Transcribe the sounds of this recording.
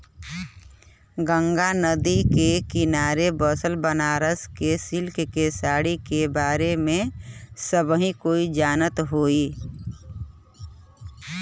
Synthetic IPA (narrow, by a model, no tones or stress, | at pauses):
ɡə̃ŋɡanəd̪ikekɪnaːɾebəsəlbənaːɾəskesɪlkkesaːɽikebaːɾemẽsəbɦĩkoːid͡ʒaːnət̪ɦoːi